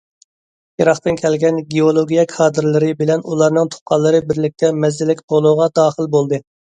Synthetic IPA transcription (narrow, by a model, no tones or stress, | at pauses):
jɑɾɑχt̪ɨnkʲʰɛlɡʲɛnɡʲeolˠoɡʲijɛkʰɑːd̪ɨɾlˠɨɾɨbɪlɛnulˠɑɾnɨŋt̪ʰo̥qɑlˠːɨɾɨbɪɾlɪk̚ʲt̪ʰɛmɛzːɪlɪkʲbʰolˠuʁɑd̪ɑːχəlˠbolˠd̪ɨ